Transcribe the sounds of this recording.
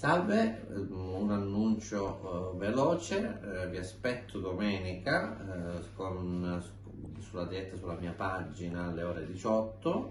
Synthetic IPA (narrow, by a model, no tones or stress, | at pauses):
salve | unanːunt͡ʃovelɔːt͡ʃeviaspɛt̪ʰːod̪omɛːnika | kon | sulːad̪iɛt̪ːasulːamiːapad͡ʒinaːlːeoːɾed̪it͡ʃɔt̪ːo